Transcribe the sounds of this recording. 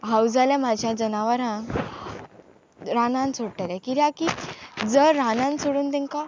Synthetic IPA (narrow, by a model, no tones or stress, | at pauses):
ɦawd͡zalɛ̃mad͡ʑʱjad͡ʑənaʋəɾãŋ | ɾanãnsʰoɽʈalɛ̃kiɾiakid͡zəɾːanãnsoɽuːnt̪ɛ̃ŋka